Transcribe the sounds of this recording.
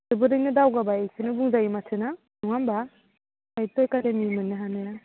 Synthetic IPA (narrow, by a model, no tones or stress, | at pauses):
sɯbɯdɯŋnɯdawɡabaekʰɯnɯbuŋzaimatʰɯna | nuŋamba | ajtojkademimɯnːɯɦanaja